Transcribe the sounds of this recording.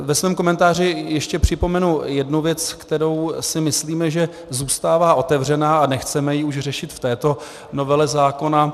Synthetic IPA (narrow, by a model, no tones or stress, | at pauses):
vɛsvɛːmko̞mɛnt̪aːr̝ɪjɛʃcɛpr̝̥ɪpo̞mɛnujɛdnuvjɛt͡skt̪ɛɾo̞wsɪmɪsliːmɛʒɛ | zuːst̪aːvaːʔo̞t̪ɛvr̝ɛnaːanɛxt͡sɛmɛjɪuʃr̝ɛʃɪt̪ft̪ɛːt̪o̞ | no̞vɛlɛzaːko̞na